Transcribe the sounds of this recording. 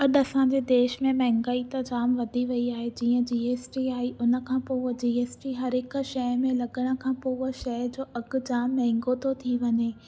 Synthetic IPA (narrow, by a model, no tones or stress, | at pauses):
ɐɗɐsãːɲ̆d͡ʑeːd̪eːʃmẽmɛɦɪ̃ŋɡaːit̪ɐd͡ʑaːmʋɐd̪ʱiʋɐiaːɦed͡ʑĩːə̃d͡ʑiːeːsʈiaːiʔʊnə̆kʰãːpoːd͡ʑiːeːsʈiɦɐɾɦɪk̆ʃɐmẽlɐɠəɽ̃ə̆kʰãːpoːʃɐɦd͡ʑoːʔɐɡd͡ʑaːmːɛ̃ɦɪ̃ŋɡot̪ʰot̪ʰiʋɐɲeː